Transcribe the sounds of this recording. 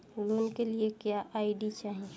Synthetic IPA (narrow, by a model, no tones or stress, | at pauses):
loːnkeliekjaʔaːɪɖit͡ʃaːɦiẽ